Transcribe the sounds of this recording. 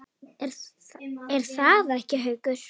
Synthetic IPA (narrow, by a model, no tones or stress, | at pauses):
ɛɾ | ɛɾ̥θaːðaɛhcɪɦœɥkʏɾ̥